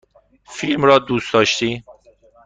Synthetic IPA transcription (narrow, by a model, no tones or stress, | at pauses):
filmɾɒːd̪uːsd̪ɒːʃt̪iː